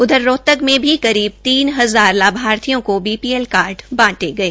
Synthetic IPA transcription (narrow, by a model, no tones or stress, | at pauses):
ʊd̪ʱəɾːoːt̪əkmẽbʱikɐɾiːb̚t̪iːnɦɐzaːɾlaːbʱaːɾt̪ʰijõkobiːpiːɛlkaːɾɖbãːʈeɡɐeː